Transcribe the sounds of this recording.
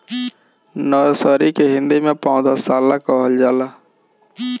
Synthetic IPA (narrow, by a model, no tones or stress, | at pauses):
nɔːɾsəːɾikeɦɪ̃nd̪imẽpɔ̃ʊd̪əsaːlakɔɦəld͡ʒaːla